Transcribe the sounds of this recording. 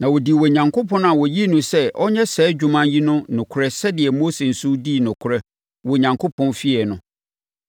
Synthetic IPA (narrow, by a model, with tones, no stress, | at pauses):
nã˨wɔ˨di˨wɔ˨ɲã˨ŋkʰo˦pʰɔ̃˦na˨wɔ˨ji˦nʊ̃˨sɛ˦ʔɔ˦ɲɛ˦sɛː˨˦d͡ʑᶣu˨mã˦nji˦nʊ̃˦nʊ̃˨kʰʊ˨ɾɛ˦sɛ˦dɪ˨ɛ˨mo˦se˨n̩˨sʊ˦di˦˨nʊ̃˨kʰʊ˦ɾɛ˦ | wɔ˨ɲã˨ŋkʰo˦pʰɔ̃˦nfi˦ɛ˨nʊ̃˦